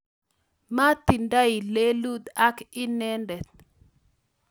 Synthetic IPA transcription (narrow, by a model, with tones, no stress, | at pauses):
ma˦t̪i˨nda˦i˨le˦lu˦d̪a˦kɪ˦nɛ˦ndɛ˨t̪̚